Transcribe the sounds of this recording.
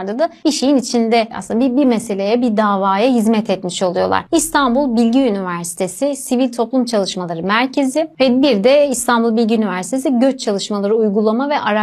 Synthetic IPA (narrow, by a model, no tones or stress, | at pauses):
ɾd̪ad̪abiʃe̞jinit͡ʃʰind̪ɛa̰sɯnabibiɾmese̞lʲe̞jɛbid̪aːvaːjaɦizmɛt̪ʰɛt̪miʃo̞lˠujolˠa̰ɾ̥ist̪ʰanbulˠbilʲɟiynivæɾsi̥t̪ʰe̞sisivilʲt̪ʰo̞plˠumt͡ʃʰalˠɯʃmalˠaɾɯmæɾcʰe̞zɪvɛbiɾd̪ɛist̪ʰanbulˠbilʲɟiynivæɾsi̥t̪ʰe̞siɟø̞t͡ʃt͡ʃʰalˠɯʃmalˠaɾɯujɡulˠamavɛʔaɾa